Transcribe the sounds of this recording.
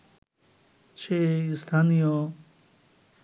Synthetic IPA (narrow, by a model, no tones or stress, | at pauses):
t͡ɕʰeist̪ʰanijo